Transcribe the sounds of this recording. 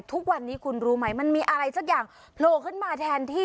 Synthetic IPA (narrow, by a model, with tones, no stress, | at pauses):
t̪ʰu˦˥k̚wa˧nːiː˦˥kʰu˧nɾuː˦˥ma˦˥jma˧nmiː˧ʔa˧ɾa˧jsa˦˥˩k̚jaː˨˩ŋ | pʰloː˧kʰɯ˥˩nmaː˧t̪ʰɛː˧nt̪ʰiː˥˩